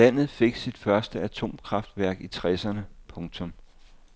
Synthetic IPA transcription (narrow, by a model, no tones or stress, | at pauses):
æn̰ð̞̩ˠfe̝ɡ̥sid̥fɶɐsd̥əæt͡sʰo̝̰ːmkʰʁɑ̈fd̥ʋæɐɡ̥it͡sʰʁɛsɐnəpʰɔ̽ŋt͡sʰɔ̽m